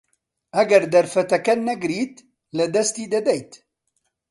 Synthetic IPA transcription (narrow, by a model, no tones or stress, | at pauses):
ʔɐɡɐɾd̪ɐɾfɐt̪ɐkɐnɛɡɨɾiːt̪ | lɨd̪ɐst̪iːd̪ɐd̪ɛjt̪